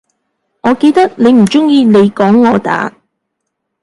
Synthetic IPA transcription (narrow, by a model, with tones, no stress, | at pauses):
ŋɔː˨˧ke˧jt̪ɐ˥k̚ne˨˧jm̩˨˩t͡sʊ˥ŋjiː˧ne˨˧jkɔː˨˥ŋːɔː˨˧t̪a̰ː˨˥